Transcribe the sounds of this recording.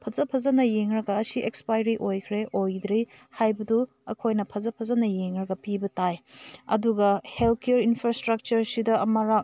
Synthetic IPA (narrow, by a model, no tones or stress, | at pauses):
pʰɐzɐpʰɐzɐnɐjeŋɾɐɡɐːsiʔekspajɾiʔojkʰɾeʔojd̪ɾe | hajbɐdu | ɐ̰kʰojnɐpʰɐzɐpʰɐzɐnɐjeŋɾɐɡɐpibɐtajɐ̰duɡɐhelkʰeɾinpʰɾastɾɐk̚t͡ʃɐɾsidɐɐmɐɾak̚